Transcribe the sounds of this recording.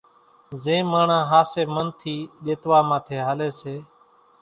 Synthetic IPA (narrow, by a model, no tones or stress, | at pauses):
zẽːmaːɳãːɦaːseːmənt̪ʰiːɗeːt̪ʋaːmãːt̪ʰeːɦaːleːseː